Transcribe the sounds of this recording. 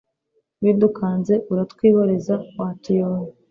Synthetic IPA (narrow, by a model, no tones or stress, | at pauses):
widukaːnze̞ʔuɾatkwiːβaɾezawaːtijoːni